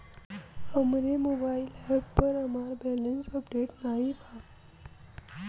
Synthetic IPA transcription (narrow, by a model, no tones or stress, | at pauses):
əmɾemoːbaːɪlɛbpəɾəmaːɾbɛːlɪ̃ŋsəpɖeːʈnaːɦibʰa